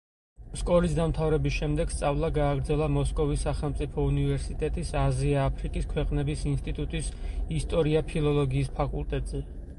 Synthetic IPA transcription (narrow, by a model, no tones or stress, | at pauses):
skʼɔɾisd̪amt̪ʰavɾɛbisʃɛmd̪ɛɡ̥st̪sʼavlˠaɡaːɡɾd̪zɛlˠamɔskʼɔvisːaχɛlˠmt̪sʼipʰɔunivɛɾsit̪ʼɛt̪ʼisaziaːpʰɾikʼiskʰwɛqʼnɛbisinst̪ʼit̪ʼut̪ʼisist̪ʼɔɾiapʰilˠɔlˠɔɡiːspʰakʼulˠt̪ʼɛt̪ʼz̥ɛ